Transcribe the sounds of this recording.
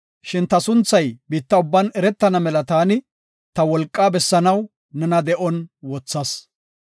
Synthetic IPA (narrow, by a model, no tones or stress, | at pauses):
ʃɪnt̪ɐsʊnt͡sːɐjbiːt̪ːɐʊbːɐnɛɾɛt̪ːɐnɐmɛlɐt̪aːnɪ | t̪ɐwɔlkʼːaːbɛsːɐnɐw | nɛnɐd̪ɛʔɔnwɔt͡sːɐs